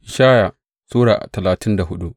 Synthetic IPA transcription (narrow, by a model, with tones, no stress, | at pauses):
ʔɪ˨ʃaː˦ja˨ | suː˦ɽaː˨ʔa̰˨tɐ˨laː˨tʰɪ˦nda˨hʊ˦ɗu˦ʔ